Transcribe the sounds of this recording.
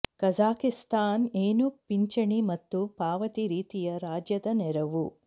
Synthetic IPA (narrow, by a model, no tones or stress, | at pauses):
kɐd͡ʒaːkist̪aːneːnupiɲt͡ʃɐɳimɐt̪ːupaːʋɐt̪iɾiːt̪ijɐɾaːd͡ʒjɐd̪ɐnɛɾɐʋu